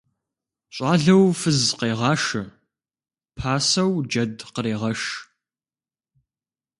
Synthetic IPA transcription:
ɕʷʼɑːɮɐwfɨzqeːʁɑːʃɨ | pʰaːsɐwd͡ʒɐdqəɾeːʁɐʃ

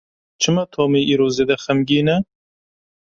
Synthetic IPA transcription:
t͡ʃʰɨmɐt̪ʰoːmiːʔiːɾoːzeːd̪ɐxɐmɡiːnɛ

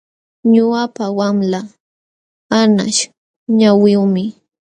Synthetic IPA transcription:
ɲʊapawamla | ana̰ʃ | ɲawɪʊmɪ

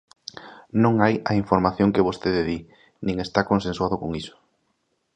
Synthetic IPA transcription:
nõŋajɐiɱfoɾmaθjoŋkɪβost̪eðeði | nĩŋest̪akõnsẽnswaðʊkoŋisʊ̥

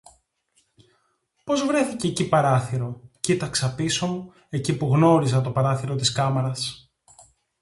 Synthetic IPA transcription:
po̞zvɾe̞θiceːcipɐɾɐθiɾo̞cit̪ɐksɐpiso̞mu | e̞cipuɣno̞ɾizɐt̪o̞pɐɾɐθiɾo̞t̪iskɐmeɾɐs

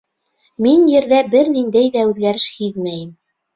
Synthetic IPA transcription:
minjɘ̆ɾðæbɘɾnind̪æjðæʉðɡæɾɘʃhiðmæjɘm

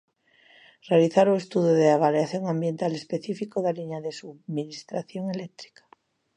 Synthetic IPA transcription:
realiθaɾue̞st̪uðjoðeaβ̞aljaθjoŋãmbje̞nt̪ale̞speθifikoðaliɲaðesuβminist̪ɾaθjoŋe̞lek̚t̪ɾi̥kḁ

